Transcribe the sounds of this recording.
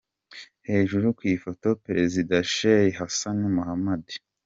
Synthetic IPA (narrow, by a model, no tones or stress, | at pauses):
he̞ːʒuɾukwiːfo̞to̞peɾezidaʃejeɦasanimuhamadi̥